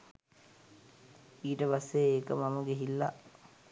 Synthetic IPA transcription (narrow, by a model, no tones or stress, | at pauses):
iːʈəpasːejeːkəmaməɡeɦilːa̰